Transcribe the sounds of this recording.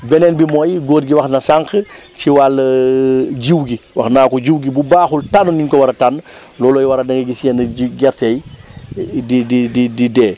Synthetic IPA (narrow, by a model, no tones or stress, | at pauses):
bɛnɛnbimɔːjɡoːtɡiwɐxnɐsaŋkəsiwal | d͡ʒiwɡiwɐxnaːkɔɟiwɡibubaːxultanɔniŋkɔwɐɾɐtan | lɔːlɔjwɐɾɐdɐŋɡɐɡisijɛnɐɡɛɾtɛj | dididididɛː